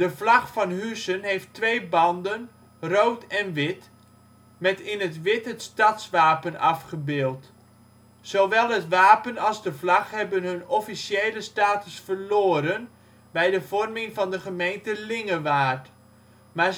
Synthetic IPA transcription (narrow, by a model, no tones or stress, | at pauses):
d̥əflɑχfɑnɦysənɦejftʋejbɑndən | rowtɛnʋɪt | mɛtɪnətʋɪtətstɑtsʋaːpənɑfχəbɪːlˠt | soʋɛlˠɦətʋaːpənɑlˠzdəflɑχhɛbənɦɵnɔfisjeːləstaːtəsfərloːəɾən | bɛjdəvɔrmɪŋfɑndəχəmejntəlɪŋəʋaːrt | ma